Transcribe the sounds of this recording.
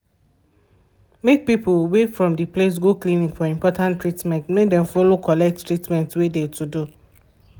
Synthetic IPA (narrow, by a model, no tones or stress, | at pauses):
mek̚pipʊwefɹɔ̃mdiples̬ɡoklĩnĩŋfɔĩmpɔtãntɹitmɛ̃ntmek̚dɛ̃mfɔlokʰɔlɛk̚ttɹitmɛ̃ntwedetʰudu